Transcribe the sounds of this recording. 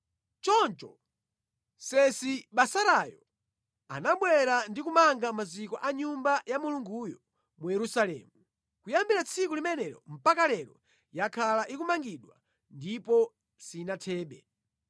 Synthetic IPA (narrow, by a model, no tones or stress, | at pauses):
t͡ʃɔnt͡ʃɔ | sɛsiɓasaɾajɔ | a̰naɓwɛɾandikumaŋɡamazikɔʔaɲumbajamuluŋɡujɔ | mujɛɾusalɛ̰ːmu | kujambiɾat͡sʰikulimɛnɛɾɔ̰m̩pakalɛɾɔ | jakʰalaʔikumaŋɡiɗwa̰ | ndipɔ | sinatʰɛːɓɛ̰